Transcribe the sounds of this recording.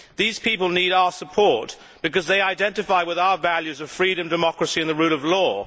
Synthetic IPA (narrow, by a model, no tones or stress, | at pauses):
ðiz̥pipəlˠniɾaʊə˞səpʰɔɹt | b̥ɨkʌzðeɪaɪdɛ̃ntɨfaɪwɨðaʊə˞vælˠjʉzʌv̥fɹiɾɨ̃mdɨmɑkɹɨsiɨ̃nðɨɹʉɾʌvlɔ